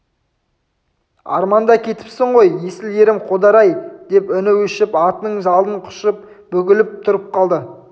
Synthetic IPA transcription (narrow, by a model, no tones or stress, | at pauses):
ɑ̰ɾmɑnd̪ɑkʲʰe̞t̪ɪ̥psɪɴʁo̞jje̞sɪle̞ɾɪmqʰo̞d̪ɑɾɑjd̪̥e̞pʏnɪwʏʃɪpɑt̪ənəɴʒɑlˠəɴqʰʊ̥ʃəp̚ | bɵɡʲɪlɪp̚t̪ʰʊɾəp̚qʰɑlˠd̪ə